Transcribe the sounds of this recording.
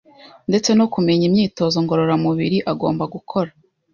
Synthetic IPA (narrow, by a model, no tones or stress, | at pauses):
nde̞t͡se̞no̞kume̞ɲimɲiːto̞ːzo̞ŋɡo̞ɾo̞ɾamuβiɾiʔaɡo̞ːmbaɡukʰo̞ɾa